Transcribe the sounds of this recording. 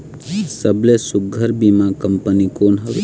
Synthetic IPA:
səblesʊɡʱəɾbimãkəmpənikonɦəʋ

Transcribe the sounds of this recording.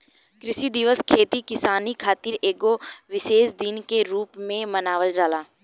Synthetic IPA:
kɾɪʃid̪ɪʋəskʰeːt̪ikɪsaːnikʰaːt̪iɾeːɡoʋɪʃeːʃd̪ɪnkeɾuːpmẽmɐnaːʋəld͡ʒaːlaː

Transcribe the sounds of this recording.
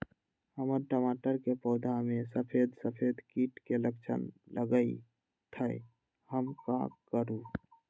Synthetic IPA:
həməɾʈəmaʈəɾkepɔːd̪ʱamesəpʰed̪səpʰed̪kiʈkeləkt͡ʃʰə̰nlʔəɡəi | t̪ʰəj | həmkã̰kəɾu

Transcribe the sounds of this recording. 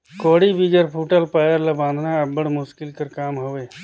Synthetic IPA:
koːɽibiɡəɾpʰuːʈəlpaːjəɾlɐbãːnd̪ʱnaəbəɽmʊʃkɪlkəɾkaːmɦoːʋeː

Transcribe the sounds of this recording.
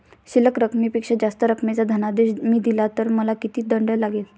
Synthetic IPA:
ɕiləkɾəkmipikʂəd͡zast̪əɾəkmet͡sad̪ʱənad̪eɕmiːd̪ilat̪əɾməlakit̪iːd̪əɳɖəjlaɡel

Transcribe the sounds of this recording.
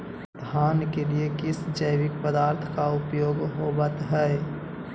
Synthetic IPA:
d̪ʱaːnkeliekɪsd͡ʒəjwɪk̚pəd̪aːɾt̪ʰkaʊpjoːɡɦobət̪ɦɛ

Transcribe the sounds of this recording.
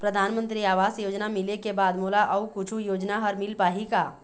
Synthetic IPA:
pɾɐd̪ʱaːnmə̃nt̪ɾiaːʋaːsjoːd͡ʒnamɪlekebaːd̪moːlaʔɐukʊt͡ʃʰujoːd͡ʒnaɦɐɾmɪlpaːɦikaː

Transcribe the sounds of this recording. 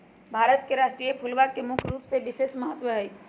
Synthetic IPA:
bʱaɾət̪keɾasʈɾijepʰulbakemukʰɾupsebisesməɦət̪ʋəɦəj

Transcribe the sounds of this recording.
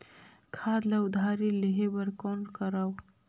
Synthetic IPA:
kʰaːd̪laʊd̪ʱaːɾiliɦebəɾkonkəɾaw

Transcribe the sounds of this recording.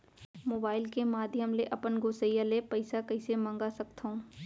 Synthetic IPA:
moːbaːɪlkemaːd̪ʱjəmleʔɐpənɡoːsəjalepɐɪsakɐɪsemɐ̃ŋɡasɐkt̪ũː

